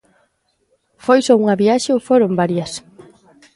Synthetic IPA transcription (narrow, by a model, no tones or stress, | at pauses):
fojsouŋaβiaʃeowfoɾombaɾjɐs